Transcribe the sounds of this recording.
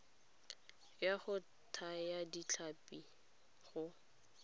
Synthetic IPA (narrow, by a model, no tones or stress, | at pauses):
jaχʊ | tʰajadit͡ɬʰapi | ɣʊ